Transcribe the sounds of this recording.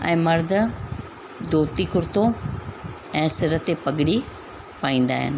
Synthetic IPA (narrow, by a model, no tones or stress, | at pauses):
ɛ̰̃ːmɐɾd̪ʱə | d̪oːt̪ikʊɾt̪o | ɛ̃ːsɪɾət̪epɐɡɽi | paːĩːnd̪a̰ːɦɪ̰nɪ̆